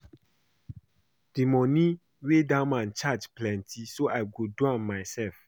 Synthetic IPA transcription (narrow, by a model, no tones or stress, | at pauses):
d̥imɔ̃nĩ | wedãmãnt͡ʃad͡ʒplɛ̃ntʰisoʔaɪɡoduãnmaɪsɛlf